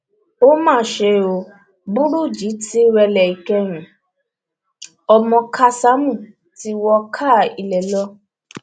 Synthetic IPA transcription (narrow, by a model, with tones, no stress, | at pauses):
o˦mãː˦˨ʃe˧o˧ | bũ˦ɾu˦˨d͡ʒi˨˦ti˦ɾɛ˧lɛ˨i˨kɛ˧ɾ̃ũ˨ | ɔ˧mɔ̃˧kʰa˦sa˦mũ˦˨ | ti˧˦wɔ˧kʰa˦˨i˧lɛ˨lɔ˦